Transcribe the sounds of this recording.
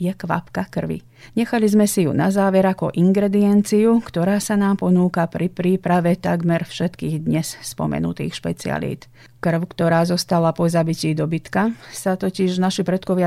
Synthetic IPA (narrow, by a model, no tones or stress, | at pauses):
jɛkʋa̰pkakr̩ʋḭ | ɲɛxalizmɛsijṵnazaːʋɛɾakɔʔiŋɡɾɛd̪iɛnt͡siukt̪ɔɾaːsanaːmpɔnuːkapɾipɾiːpɾaʋɛt̪aɡmɛɾfʃɛt̪kiːɣd̪ɲɛsspɔ̰mɛ̰nṵt̪ḭːxʃpɛ̰t͡sia̰lḭːt̪ | kr̩ʊkt̪ɔɾaːzɔst̪alapɔzabiciːd̪ɔbit̪kasat̪ɔciʒnaʃipɾɛt̪kɔʋɪa